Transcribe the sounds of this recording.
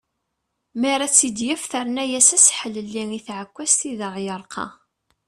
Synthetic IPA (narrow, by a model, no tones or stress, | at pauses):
mæɾˤæt͡sːid̪jæfθəɾˤnæjæsæsħələlːiŋiθʕəkʷːæst̪iðəʁjəɾˤqʰɑ̰